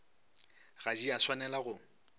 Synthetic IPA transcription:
ɣad͡ʒiaswanɛlaɣʊ

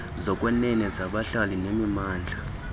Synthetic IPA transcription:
zɔkʼwɛnɛnɛzaɓaɬalinemimaːnd͡ɮʱa

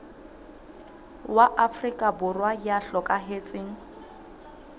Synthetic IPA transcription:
waʔafrikʼabʊrwajaɬɔkʼaɦet͡sʼɪŋ̩

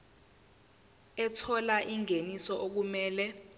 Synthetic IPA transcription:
ɛtʰɔlaʔiŋenisɔʔok̬umɛːlɛ

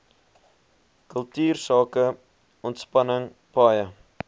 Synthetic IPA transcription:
kɵlˠtyːrsɑːkə | ɔntspɐnəŋ | pɑːjə

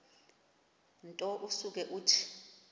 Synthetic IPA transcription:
ntʼɔʔusuk̬ɛʔuːtʰi̥

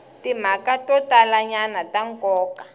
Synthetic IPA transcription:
tim̤akatɔtalaɲanataŋkɔːka

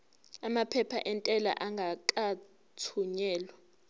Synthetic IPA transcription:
amapʰɛpʰa̰ʔɛntʼɛla̰ʔaŋɡʱakʼa | tʰuɲɛːlwa

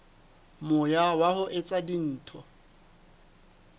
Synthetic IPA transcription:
mʊjawahʊʔet͡sʼadin̩ːtʰɔ

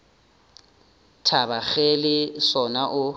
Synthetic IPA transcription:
tʰabaχɛlɪsɔnaʔʊ

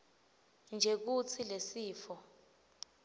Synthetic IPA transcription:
nd͡ʒʱek̬ut͡sʰilesiːfɔ

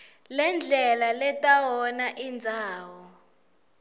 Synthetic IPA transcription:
lɛnd͡ɮʱɛlalɛtʼawɔnaʔind͡zʱaːwɔ

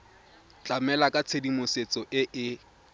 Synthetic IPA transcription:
t͡ɬʼamɛlakʼat͡sʰedimʊset͡sɔʔɪʔɪ

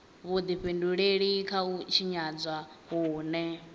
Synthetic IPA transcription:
βud̪iɸenduɺeɺikʰaut͡ʃʰiɲad͡zʷwa | ɦuːnɛ

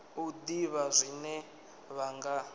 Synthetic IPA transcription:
ud̪iβazʷinɛ | βaŋɡa

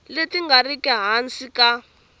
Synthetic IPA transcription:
letiŋɡarikɛɦansika

